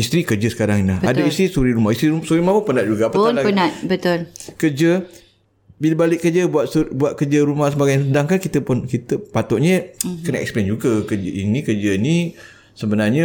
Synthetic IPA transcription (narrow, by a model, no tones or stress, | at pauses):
ist̪ɾikəd͡ʒəsə̥kaɾaŋinaɦadaist̪isuɾiɾumahist̪ɾiusuɾimaməpənat̪̚d͡ʒuɡaapanlapənat̪̚bət̪ʊlkərd͡ʒə | biləbalɪʔkːəd͡ʒəbuat̪buat̪̚kəd͡ʒəɾumahsəbaɡajnsədaŋkankit̪əpʊnkit̪əpat̪ɔʔ̚ɲəkənaɛksplend͡ʒuɡakəd͡ʒəinikəd͡ʒəini | səbənarɲa